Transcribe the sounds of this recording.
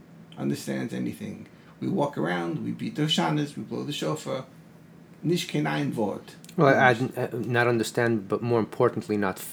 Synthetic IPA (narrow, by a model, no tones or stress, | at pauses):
ʔʌ̰̃ndə˞stæ̰̃ndzɛ̰nḭθɪ̰̃ŋ | wiwɔkə˞ãʊ̃ndwḭbit̪̚ðəʃanɨzwibloʊðɨʃoʊfə˞ | nɪʃkʰẽɪ̃naɪ̃nvɔ̰ɹd̥ | wɛaɪdnəɾʌ̃ndə˞stæ̃ndbʌt̚mɔɹɨ̃mpʰɔɹʔn̩ʔʰlinət